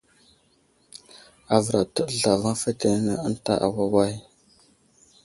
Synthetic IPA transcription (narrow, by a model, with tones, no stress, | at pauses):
a˨və˨ɾa˨tə˦˨ɮa˨va˦fe˦te˨˦nə˨a˦n˦ta̰˦ʔa̰˨wa˦wa˦j